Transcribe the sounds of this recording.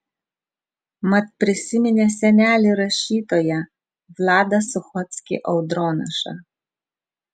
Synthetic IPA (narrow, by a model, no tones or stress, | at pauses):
mɐt̪̚pʲɾʲɪsʲɪmʲɪnʲesʲɛnʲæːlʲɪɾɐʃʲiːt̪oːjɛ | ʋlˠɑːd̪ɐsʊxɔt̪sʲkʲɪ̰ʔɐʊd̪ɾɔːnɐʃɐ̰